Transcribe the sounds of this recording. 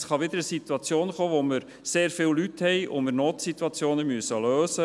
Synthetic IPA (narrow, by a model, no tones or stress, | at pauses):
sχɑʋɪd̪əɾəsit̪uɑt͡sjoːnχoːʋoməɾ | seːɾfɪːllythɛɪo̰mɪɾnoːtsituɑt͡sjoːnəmyəsəløːsə